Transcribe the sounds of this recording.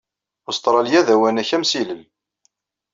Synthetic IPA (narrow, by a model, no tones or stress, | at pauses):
ʊst̪ˤɾˤɑljæðæwænæçæmsiləl